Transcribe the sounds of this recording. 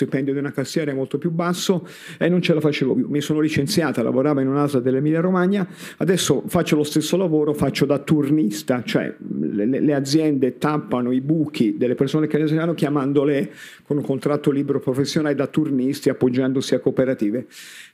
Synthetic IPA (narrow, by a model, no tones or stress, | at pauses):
t̪ipɛnd̪jod̪iunakast̪ːjɛːɾamolt̪opjubasːo | enːont͡ʃelafat͡ʃeːvo̰pjṵmisoːnolit͡ʃent̪sjaːt̪ala̰voɾaːvainunazlad̪elːemilːaɾomaɲːa | ad̪ɛsːofat͡ʃːolost̪esːolavoːɾofat͡ʃːod̪at̪urnist̪at͡ʃoɛ̰lelḛlead̪zjɛnd̪et̪apːanoibukʰid̪elːepersoːnekenːesvanːokjamand̪ole | konuŋkont̪ɾat̪ːoliːbeɾopɾofesːjonaːlid̪at̪ːurnist̪iapːod͡ʒːand̪osiakːopeɾat̪iːve